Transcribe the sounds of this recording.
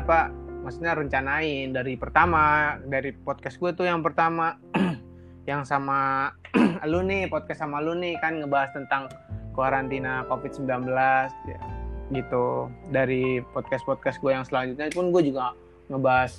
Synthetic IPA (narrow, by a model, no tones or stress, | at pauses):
apamasu̥ɲaɾəɲt͡ʃanaɪndaɾipərt̪amadaɾipɔt̪̚kasɡuat̪ujaŋpərt̪ama | jaŋsama | alunipɔt̪̚kassamalunikanŋəbaɦast̪ənt̪aŋkoaɾant̪inakofɪt̪səmbilanbəlasja̰ɡit̪udaɾipɔt̪̚kaspɔt̪̚kasɡuajaŋsəlaɲd͡ʒut̪̚ɲapʊnɡuad͡ʒuɡa | ŋəbaɦas